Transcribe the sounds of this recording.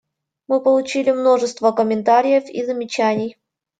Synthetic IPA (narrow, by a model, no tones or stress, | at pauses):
mɨpəlˠʊt͡ɕilʲɪmno̞ʐɨst̪vəkəmʲɪnt̪aɾʲɪjəfḭzəmʲɪt͡ɕænʲɪj